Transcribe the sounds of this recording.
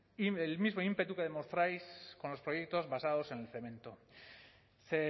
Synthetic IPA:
ielmizmo̞impe̞t̪uke̞ðe̞mo̞st̪ɾajsko̞nlo̞spɾo̞je̞k̚t̪o̞zβasaðo̞se̞ne̞lθe̞mẽ̞nt̪o | se

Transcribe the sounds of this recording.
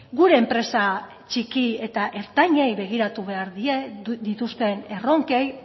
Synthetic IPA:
ɡuɾe̞ːmpɾe̞sa | t͡ʃikie̞t̪aʔe̞ɾt̪aɲe̞jβe̞ɣ̞iɾat̪uβe̞aɾðie̞d̪it̪ust̪e̞ne̞ro̞ŋke̞j

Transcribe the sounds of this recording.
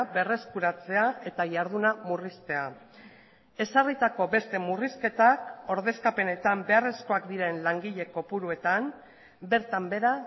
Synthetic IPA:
be̞re̞skuɾat͡se̞ae̞t̪ajaɾð̞unamurist̪e̞a | e̞sarit̪ako̞be̞st̪e̞muriske̞t̪ako̞ɾðe̞skape̞ne̞t̪ambe̞are̞sko̞akd̪iɾe̞nlaŋɡiʎe̞ko̞puɾue̞t̪am | be̞ɾt̪ambe̞ɾa

